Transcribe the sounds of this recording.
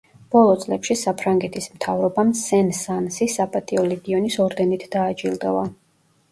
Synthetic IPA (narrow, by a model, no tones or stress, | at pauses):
b̥ɔlˠɔt̪sʼlɛpʃisapʰɾaŋɡɛt̪ʰismt̪ʰavɾɔbamsɛnsansisapʼat̪ʼiɔlɛɡiɔnisɔɾd̪ɛnit̪ʰd̪aːd͡ʒʼilˠd̪a̰va